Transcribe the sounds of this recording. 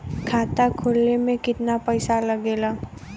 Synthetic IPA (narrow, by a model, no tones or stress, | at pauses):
kʰaːt̪akʰoːlnemẽkɪt̪napəɪsalɐɡeːlaː